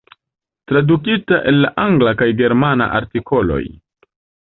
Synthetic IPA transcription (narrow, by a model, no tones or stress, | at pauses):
tɾadukitaʔe̞lːa̰ʔaŋɡlakajɡe̞ɾmana̰ʔa̰ɾtikʰo̞lo̞̰j